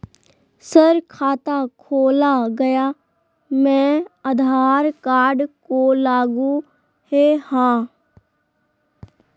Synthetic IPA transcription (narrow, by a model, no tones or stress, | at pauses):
səɾkʰaːt̪aːkʰoːlaɡəjaː | mɛ̃ːəd̪ʱaːɾkaːɾɖkoːlaːɡũ | heːhãː